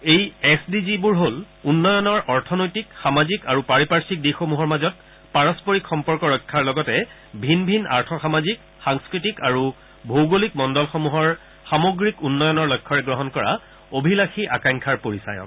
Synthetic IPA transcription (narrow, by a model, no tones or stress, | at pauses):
ejɛsdizibuɹɦol | unːɔjɔnɔɹɔɹtʰɔnojtikxamazikaɹupaɹipaɹsik̚dixomuɦɔɹmazɔt̚ | paɹɔspoɹikxɔmpɔɹkɔɹɔjkʰːaɹlɔɡɔtɛ | bʱinbʱina̰ɹtʰɔxamazik | xaŋskɹitikaɹu | bʱowɡolikmɔndɔlxɔmuɦɔɹ | xamoɡɹikunːɔjɔnɔɹlɔjkʰːɔɹɛɡɹɔɦɔnkɔɹa̰ | obʱilaxiʔa̰kajŋkʰaɹpoɹisa̰jɔ̰k